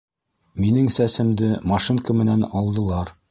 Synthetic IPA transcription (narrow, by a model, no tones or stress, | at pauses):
minɘŋsæsɘ̆md̪ɘmɑʃiŋkəmɘ̆nænɒlˠd̪ɤ̆lˠɑɾ